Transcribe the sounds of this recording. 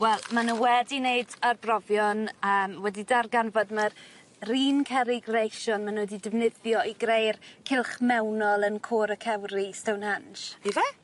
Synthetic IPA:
wɛlˠmanəwɛdineɨdarbrɔvjɔnəːmwɛdidarɡanvɔdmar | riːnkʰɛɾɪɡrejʃɔnmanwɛdidɪvnɪðjɔiɡɾejrkʰɪlˠχmɛwnɔlˠənkʰoːɾəkʰɛwɾistɛwnanʃiɛ

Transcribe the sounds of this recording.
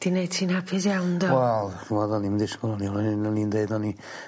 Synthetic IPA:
d̥inejd̥sʰiːnhapʰɪsjawndɔwɛlˠaðanimdɪskʊlˠɔniɔlnnindejdɔni

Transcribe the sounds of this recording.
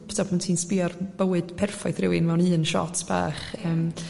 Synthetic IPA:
pʰtʰɔpʰmantʰiːnspɪɔrb̥əwɨd̥pʰɛrfɔjθrɪwɪnmɛwnɨːnʃɔ̰tʰb̥a̰ːχəːm

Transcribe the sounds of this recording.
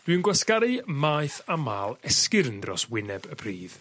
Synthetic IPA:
d̥wiwnɡwaskaɾɨmaːjθamaːlˠɛskɪɾəndrɔ̰swɪnɛbəpʰriːð

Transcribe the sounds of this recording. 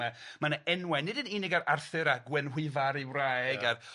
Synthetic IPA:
ɛmanaɛnwɛnɪdəniːnɪɡaɾarθɨɾaɡwɛnwɪvaɾiwrajɡað

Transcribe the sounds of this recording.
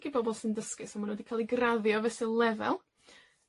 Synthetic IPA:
ɡ̥ibɔbɔlˠsɪndəskɨsɔmanwɛdikʰaːlˠiɡraðjɔvɛsɨlˠɛvɛ̰lˠ

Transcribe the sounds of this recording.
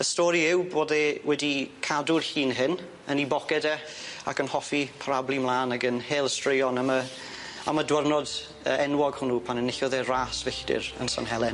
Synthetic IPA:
əstɔːɾiɪwboːdɛwɛdikʰadʊrɬiːnɦɪn | ənibɔkɛdɛa̰kənhɔfipʰaɾablˠimlˠaːnaɡənheːlˠstrɪjɔnamə | a̰mədwarnɔd | əɛnwɔɡhʊnupʰanənɪɬɔðɛraːsvɪɬd̥ɪ̰ɾə̰nsa̰nɦɛlˠɛn

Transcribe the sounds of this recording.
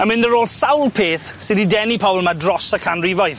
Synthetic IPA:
əmɪ̃ndəɾoːlˠsawlˠpʰeːθ | sɪdidɛnipʰɔʊlˠmadrɔsəkʰanrivɔjθ

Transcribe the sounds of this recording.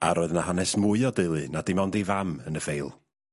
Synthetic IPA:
a̰ɾoɔːɨðnahanɛsmʊɨɔdɨlˠɨnadɪmɔndivamənəfejlˠ

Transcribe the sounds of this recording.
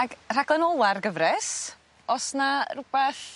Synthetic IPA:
aɡr̥aɡlˠɛnɔlˠarɡəvrɛs | ɔsnarubɛθ

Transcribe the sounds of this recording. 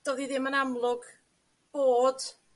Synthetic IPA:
d̥ɔðiðɪmənamlˠʊɡ | b̥oːd̥

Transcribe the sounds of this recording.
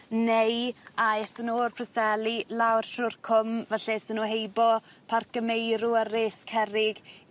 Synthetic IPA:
nejaɛsənurpʰrəsɛlilawr̥ʃʊrkʰʊmvɛɬɛsənuːɦejbɔ | pʰarkəmejɾʊəɾeːskʰɛɾɪɡ̥

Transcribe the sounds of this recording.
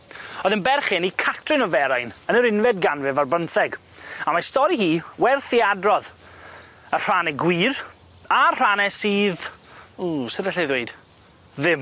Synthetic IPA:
ɔðənbɛrχɪnikʰatʰrɪnɔvɛɾajnənəɾɪnvɛdɡanvɪvarbənθɛɡ | amastɔɾihiːwɛrθiadrɔð | ər̥anɛɡwiːr | ar̥anɛsiːðusɪdɛɬɛðweɨd̥ | ðɪm

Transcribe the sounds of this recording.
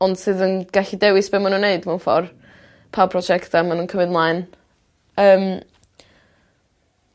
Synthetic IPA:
ɔnd̥sɨːðənɡ̥aɬidɛwɪsb̥eːmanunːeɨdmaunfɔ̰r | pʰapʰrɔd͡ʒɛktamanuːnkʰəmɨdmlˠaɨn | əːm

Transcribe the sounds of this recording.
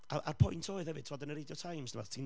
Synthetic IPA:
aʔarpʰʊjntʰoːɨðhɛvɨd̥̚tʰɔdənəɾɪdjɔtʰajmsnəmɔ̰ðtʰin

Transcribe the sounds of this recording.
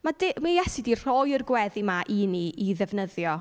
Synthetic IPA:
madɪmijɛsidir̥ɔjərɡwɛðimaʔiniiðɛvnəðjɔ

